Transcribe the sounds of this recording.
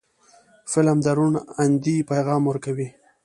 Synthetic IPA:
fɪlamd̪aɾunand̪ipajɣɑmwəɾkawi

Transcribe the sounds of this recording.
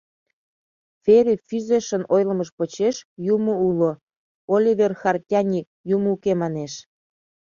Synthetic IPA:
feɾʲifyzeʃənojlə̆məʃpot͡ɕeʃjumoulo | olʲiβʲerxɑrtʲɑnʲik̚jumukemɑneʃ

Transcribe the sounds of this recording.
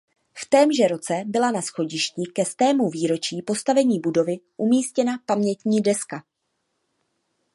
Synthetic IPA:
ft̪ɛːmʒɛɾo̞t͡sɛbɪlanasxo̞ɟɪʃcikɛst̪ɛːmuviːɾo̞t͡ʃiːpo̞st̪avɛɲiːbudo̞vɪʔumiːscɛnapamɲɛt̪ɲiːdɛska

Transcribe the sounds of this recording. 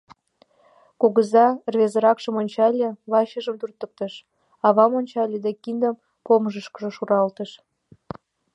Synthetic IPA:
koɣəzɑrβezəɾɑkʃəmonʲt͡ɕɑlʲeβɑɕəʒəmt̪urt̪ək̚t̪əʃ | ɑβɑmonʲt͡ɕɑlʲed̪ekind̪əm | poməʒəʃkəʒoʃuɾɑlt̪əʃ

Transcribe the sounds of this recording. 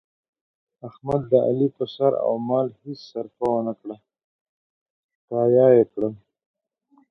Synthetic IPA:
axmad̪̚ːəʔa̰lipəsaɾa̰wmɑːlhisːaɾfawənakɽa | kɑːjɑːjekɽal

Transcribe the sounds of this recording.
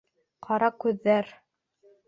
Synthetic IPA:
qʰɑɾɑkʉðːæɾ

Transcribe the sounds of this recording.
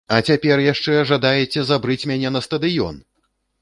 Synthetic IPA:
ɐt͡sʲapʲɛrjaʂt͡ʂɛʐad̪ajɛt͡sʲɛzabɾɨt͡sʲmʲanʲɛnɐst̪ɐd̪ɨjɔ̰n

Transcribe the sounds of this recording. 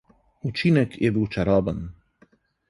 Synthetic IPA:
ut͡ʃinɛkjɛbiwt͡ʃaɾɔbən

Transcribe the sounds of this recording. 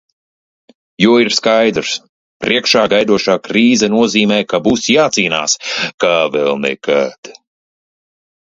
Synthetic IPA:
juɔiɾskajd̪ɾs | pɾʔiɛkʃaːɡajd̪uɔʃaːkɾiːzɛnuɔziːmɛːjkabusjaːt̪siːna̰ːskavɛlˠnɛ̰kʰad̪̥

